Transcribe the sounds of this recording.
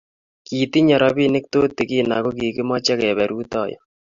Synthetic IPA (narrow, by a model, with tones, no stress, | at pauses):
kiː˨t̪i˦ɲa˨ɾɔbi˦nɪ˦k̚t̪oː˦t̪ɪ˨kiː˦na̰˨ko˦kiː˨kɪ˦mɔt͡ʃɛ˦kɛː˨βɛ˨ɾuː˦t̪ɑː˨jɔ̰